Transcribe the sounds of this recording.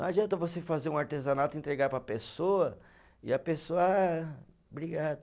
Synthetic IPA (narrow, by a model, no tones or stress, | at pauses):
ad͡ʒiɐ̃nt̪ɐvosefazeɾũaɾt̪ezɐnat̪ʊẽt̪ɾeɡaɾpɾɐpesoɐ | ɪɐpesoɐa | bɾiɡad̪ʊ